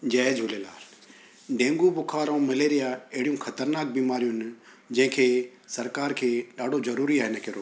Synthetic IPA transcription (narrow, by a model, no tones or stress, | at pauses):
d͡ʑɛːd͡ʑɦʊlela̰ː | ɖẽːŋɡubʊkʰaːɾõmɐleːɾijaɐɦɪɽijũxɐt̪əɾnaːk̚biːmaːɾijũɦɪnɪ̆ | d͡ʑɐ̃ɦɪ̃kʰeː | sɐɾkaːɾkʰeːɗaːɖʱozɐɾuːɾiaːɦɪnəkʰeːɾoː